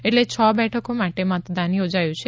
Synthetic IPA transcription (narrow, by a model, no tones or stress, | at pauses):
eʈlet͡ʃʰɔːbɛːʈʰəkõmɛ̃ːʈemat̪d̪aːniɦod͡ʒaːjot͡ʃʰi